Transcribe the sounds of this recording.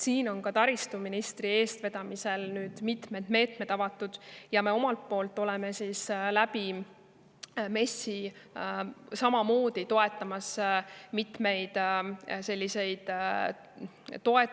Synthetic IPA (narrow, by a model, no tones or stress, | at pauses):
siːno̞nkɑt̪ɑɾist̪uminist̪rie̞ːst̪ve̞d̪̥ɑmise̞lnyːd̪̥mit̪me̞d̪̥me̞ːt̪me̞d̪̥ɑvɑt̪ːˑud̪̥jɑme̞o̞mɑlt̪̚po̞ːlt̪ˑːo̞leme̞sislæbi | me̞si | sɑmɑmo̞ːd̪̥it̪o̞e̞t̪ːˑɑmɑsmit̪me̞jd̪̥se̞lʲːise̞jd̪̥ | t̪o̞e̞t